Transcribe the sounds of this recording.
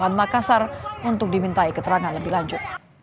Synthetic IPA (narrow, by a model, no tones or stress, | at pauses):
anmakasarunt̪ʊk̚dimint̪aikət̪əɾaŋanləbɪhlaɲd͡ʒʊt̪̚